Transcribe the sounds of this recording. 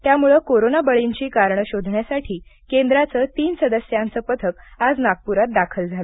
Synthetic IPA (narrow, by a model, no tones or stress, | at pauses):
t̪jamuɭəkoɾonabəɭiɲt͡ɕiːkaɾɳəɕod̪ʱɳjasaʈʰiːkend̪ɾat͡səːt̪iːnsəd̪əsjãnt͡səːpət̪ʰəkad͡znaɡ̚puɾat̪̚d̪akʰəld͡zʱalə